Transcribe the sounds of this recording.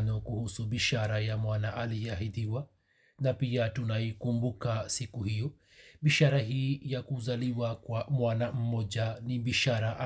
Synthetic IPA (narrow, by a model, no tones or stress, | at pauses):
nɔkuhusuɓiʃaɾajamwanaʔaliaɦiðiwa | napiatunaikumbukasikuhijɔ | ɓiʃaɾaɦiːjakuzaliwakwamwanam̩mɔʄaniɓiʃaɾaʔa